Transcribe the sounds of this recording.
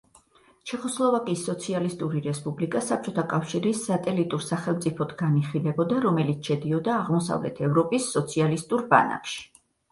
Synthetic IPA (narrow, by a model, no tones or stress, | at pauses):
t͡ʃʰɛχɔslˠɔvakʼisːɔt̪sʰialist̪ʼuɾiɾɛspʼublikʼasap̚t͡ʃʼɔt̪ʰakʼafʃiɾisat̪ʼɛlit̪ʼuɾsaχɛlˠmt̪sʼipʰɔd̪ɡaniχilɛbɔd̪aɾɔmɛlit̪sʰʃɛd̪iɔd̪aːʁmɔsa̰vlɛ̰t̪ʰɛvɾɔpʼisːɔt̪sʰialist̪ʼuɾba̰na̰kʰʃi̥